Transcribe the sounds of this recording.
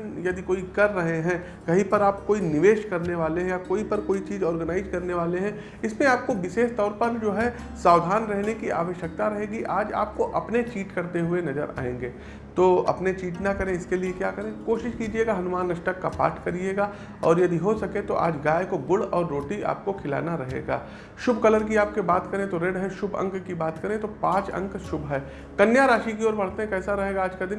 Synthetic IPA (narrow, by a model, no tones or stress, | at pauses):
njɐd̪ʱikoːikɐɾːɐɦeɦɛ̃ | kɐɦĩpɐɾaːpkoːinɪʋeːʃkɐɾneʋaːleɦɛ̃jakoːipɐɾkoːit͡ʃiːzɔːɾɡənaːɪzkɐɾneʋaːleɦɛ̃ | ɪsmẽaːp̚koʋɪʃeːʃt̪ɔːɾpɐɾd͡ʒoːɦɛ | saːʋd̪ʱaːnɾɛɦnekia̰ːʋəʃjək̚t̪aɾɐɦeːɡiʔaːd͡ʒa̰ːp̚koʔɐpnet͡ʃiːʈkɐɾt̪eɦʊenɐzəɾa̰ːḛ̃ːŋɡeː | t̪oːɐ̰pnet͡ʃiːʈnakɐɾẽɪskeliekjaːkɐɾẽkoːʃɪʃkiːd͡ʒieːɡaɦɐnʊmaːnːɐʃʈəkːapa̰ːʈʰkɐɾieːɡa | ɔːɾjɐd̪ʱiɦosɐkẽt̪oʔa̰ːd͡ʒɡaːjkoɡʊlɔːɾːoːʈia̰ːp̚kokʰɪla̰ːnaɾɐɦḛːɡa̰ː | ʃʊbʱkɐləɾk̬iaːp̚kebaːt̪kɐɾẽt̪oɾeɖɦɛʃʊbʱɐ̰̃ŋkkibaːt̪kɐɾẽt̪opãːt͡ʃɐ̰̃ŋkʃʊbʱɦɛː | kɐnjaɾaːʃik̬iɔːɾbɐɽ̤t̪eɦɛ̃kɛːsaɾɐɦeːɡaaːd͡ʒkad̪ɪ̃n